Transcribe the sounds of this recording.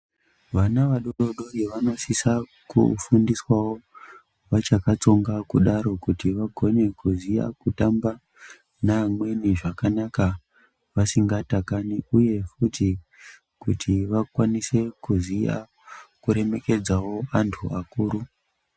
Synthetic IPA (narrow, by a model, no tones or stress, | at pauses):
ʋanaʋaɗoɗo̞ɗo̞jeʋano̞sisa | kṵfundiswawo̞ | ʋat͡ʃakat͡so̞ŋɡakuɗaɾo̞kutiʋaɡʱo̞ne̞kuzija̰kutamba | namwe̞niʐakanaka | ʋasiŋɡatakaniuje̞futʰi | kutʰiʋakwanise̞kuzija̰ | kuɾe̞me̞ke̞d͡zawo̞antʰuakuːɾu